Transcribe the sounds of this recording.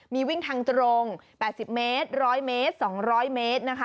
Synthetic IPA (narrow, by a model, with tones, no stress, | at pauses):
miː˧wi˥˩ŋt̪ʰaː˧ŋt̪ɾo˧ŋpɛː˨˩t̪̚si˨˩p̚meː˦˥t̪̚ɾɔː˦˥jmeː˦˥t̪̚sɔː˩˦ŋɾɔː˦˥jmeː˦˥t̪̚na˦˥kʰa˦˥